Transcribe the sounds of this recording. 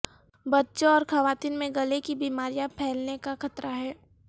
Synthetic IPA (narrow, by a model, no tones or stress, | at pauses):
bɐtːʃõɔːɾxɐʋaːt̪iːnmẽɡɐlekibiːmaːɾijãpʰɛːlnekaxɐt̪ɾaɦɛː